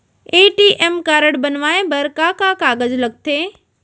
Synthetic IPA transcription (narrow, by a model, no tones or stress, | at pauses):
eːʈiʔemkaːɾəɽbɐnʋaːẽbɐɾkaːkãːkaːɡəzlɐɡ̚t̪ʰeː